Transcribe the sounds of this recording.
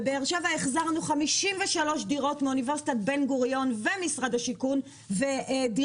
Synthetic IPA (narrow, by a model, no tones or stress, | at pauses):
beːʁʃevaeχzaʁnuχamiʃimveʃalo̞ʃdiʁo̞tmeuniveʁsi̥t̪atbenɡuʁjo̞nvemisʁad̪haʃikun | veʔdi